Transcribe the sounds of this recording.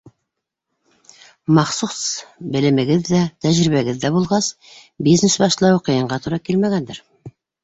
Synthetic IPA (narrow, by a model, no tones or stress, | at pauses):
mɑχsusbɘ̆lɘ̆mɘ̆ɡɘðːæt̪æʒɾiβæɡɘðːæbulˠʁɑs | biznesbɑʃlˠɑwuqɤ̆jɤ̆ɴɢɑt̪uɾɑkilmæɡænd̪ɘɾ